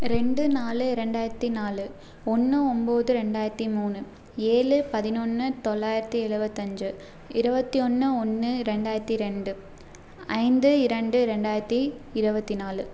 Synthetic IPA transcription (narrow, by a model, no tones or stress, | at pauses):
ɾɛɳɖɯnaːlɯɪɾɛɳɖaːjɪɾɐt̪ːinaːlɯ | ɔnːɯɔmboːðɯɾɛɳɖaːjɪɾɐt̪ːimuːnɯ | eːlɯpɐðɪnonːɯt̪ɔɭːaːjɪɾɐt̪ːiɛɻɯbɐt̪ːɐɲd͡ʒɯ | ɪɾɯbɐt̪ːiɔnːɯɔnːɯɾɛɳɖaːjɪɾɐt̪ːiɾɛɳɖɯ | ɐɪnd̪ɯɪɾɐɳɖɯɾɛɳɖaːjɪɾɐt̪ːiɪɾɯbɐt̪ːinaːlɯ